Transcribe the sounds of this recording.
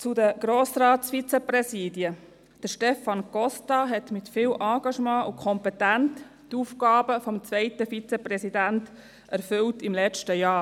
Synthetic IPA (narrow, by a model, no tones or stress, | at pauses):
t͡sudəɡ̥ɾoːsɾɑːtsfit͡sɛpɾɛsiːdjə | d̥əʃtɛfɑnkɔstɑɦɛtmɪtfɪːlʔɑ̃ːɡ̥ɑʃmɑ̃ːukʰɔmpɛtænt | tufkɑːbəfɔmt͡svɛɪtəfit͡sɛpɾɛsidænt | ʔæɾfʏltɪmlɛt͡ʃtəjɑː